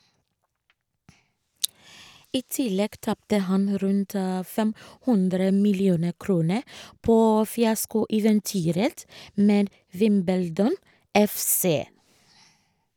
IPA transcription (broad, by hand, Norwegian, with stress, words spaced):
ˈiː ˈtɪlɛɡ ˈtɑptə ˈhɑn ˈɾʉnt ə ˈfɛm ˈhʉndɾə mɪlɪˈuːnə ˈkɾuːnə ˈpoː fɪˈɑskʊɛʋɛnˌtyːɾət ˈmeːd ˈʋɪmbəldɔn ˈɛfˌseː